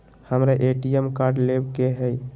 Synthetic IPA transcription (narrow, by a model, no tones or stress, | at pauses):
həmɾaʔeʈiemkaɾɖlebkeɦəj